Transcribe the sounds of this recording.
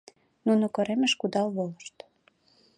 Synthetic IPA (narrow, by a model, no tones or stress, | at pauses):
nunokoɾemeʃkud̪ɑlβoləʃt̪